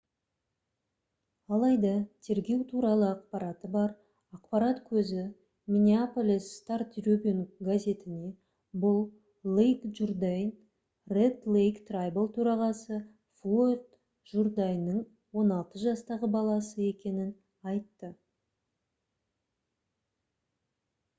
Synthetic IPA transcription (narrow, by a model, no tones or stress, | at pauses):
ɑlˠɑjd̪ɑt̪ʰe̞ɾɡʲe̞wt̪ʰuɾɑlˠəɑq̚pɑɾɑt̪əbɑɾ | ɑqpɑɾɑt̪kʲʰɵzɪ | mʲinʲiapolʲisːt̪art̪ɾopʲonɡazʲe̞t̪ɪne̞ | bʊlˠː | ejkʒurd̪ejn | red̪lˠejkt̪rajbəlˠt̪ʰɵɾɑʁɑsə | fot̪ | ʒurd̪ajnːəɴ | wo̞nɑlˠt̪əʒɑst̪ɑʁəbɑlˠɑsəe̞kʲe̞nɪn | ɑjt̪ːə